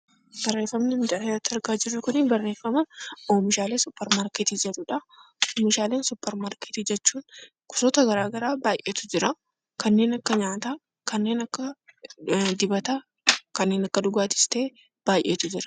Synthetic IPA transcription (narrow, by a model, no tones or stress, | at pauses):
b̥ɐrːe̞ːfɐmnɪnd̪ɐt̪ːɐɾɡaːd͡ʒɪrːʊkʊnɪbɐrːe̞ːfːɐmɐʔoːmɪʃaːleːsʊpːɛɾmaːɾket̪id͡ʒɛᶑʊᶑɐoːmɪʃaːle̞ːnsʊpːɛɾmaːɾke̥t̪id͡ʒɛt͡ʃːuːn | kʊ̥sɔt̪ɐɡɐɾaːɡɐɾaːbaːjʔeːt̪ʊd͡ʒɪɾɐ | kɐnːe̞ːnɐkːɐɲaːt̪aː | kɐnːe̞ːnɐkːɐ | d̪ɪbɐt̪a | kɐnːeːnɐkːɐd̪ʊɡaːt̪ɪ̥st̪e̞ː | b̥aːjʔeːt̪ʊd͡ʒɪɾɐ̥